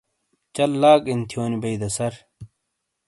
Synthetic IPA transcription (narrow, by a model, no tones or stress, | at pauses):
t͡ɕɐlːaːkint̪ʰijoːnibɐjd̪ɐsɐɾ